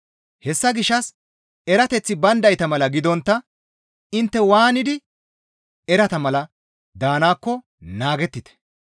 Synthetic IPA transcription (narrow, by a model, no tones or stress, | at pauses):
hɛsːɐɡɪʃːɐs | ɛɾɐt̪ɛt͡sːɪbɐnd̪ɐjt̪ɐmɐlɐɡɪd̪ɔnt̪ːɐ | ɪnt̪ːɛwaːnɪd̪ɪ | ɛɾɐt̪ɐmɐlɐ | d̪aːnaːkːɔ | naːɡɛt̪ːɪt̪ɛ̥